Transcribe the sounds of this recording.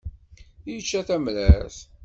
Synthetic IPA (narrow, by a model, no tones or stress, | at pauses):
jət͡ʃːæθæmlæθ